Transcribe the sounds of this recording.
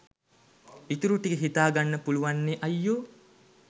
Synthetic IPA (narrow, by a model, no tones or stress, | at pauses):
it̪uɾuʈiɡeɦit̪aːɡanːəpuluʋanːeʔɐjːoː